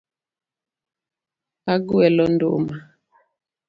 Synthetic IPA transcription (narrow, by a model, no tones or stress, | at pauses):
aɡuɛlɔndoʔma